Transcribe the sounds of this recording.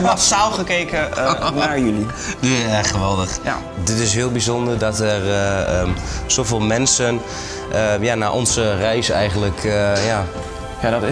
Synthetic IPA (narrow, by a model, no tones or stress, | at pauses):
ɔsawχəkejkənaːɹjyli | nyɛχəʋɛlˠdəχ | dɪtɪsɦɪːlˠbizɔndəɹdɑtɛrəz̥owvɪːlˠmɛnsən | ʔəjaːnaːʔɔ̰nzərɛjsɛjχənləkʰjaː | jadt